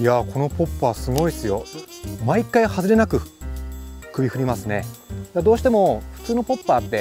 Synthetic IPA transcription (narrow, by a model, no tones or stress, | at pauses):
jakʰo̞no̞po̞pːasɨɡo̞isɨjo̞maikːaihazɨɾe̞nakɯ̟ | kɯ̟bʲihɯ̟ɾʲimasɨne̞d̪ad̪o̞ːɕi̥t̪e̞mo̞ɸɯ̟̥t͡sɨːno̞po̞pːaːt̪ːe̞